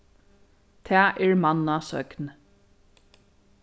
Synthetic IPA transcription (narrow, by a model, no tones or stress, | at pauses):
t̪ʰɛːʔɛɹmanːasœ̰kn